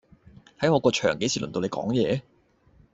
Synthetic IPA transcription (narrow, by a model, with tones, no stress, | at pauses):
hɐ˨˥jŋɔː˨˧˥kɔː˧t͡ʃʰœː˨˩ŋke˨˥sʰiː˨˩lɵ˨˩no˧le˨˧jkɔ̰ː˨˥ŋjɛː˨˧